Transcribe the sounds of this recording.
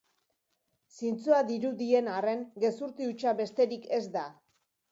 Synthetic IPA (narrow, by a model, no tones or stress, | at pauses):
sint͡suaðiɾud̪ie̞nare̞ŋɡe̞suɾt̪iut͡ʃaβe̞st̪e̞ɾike̞zd̪a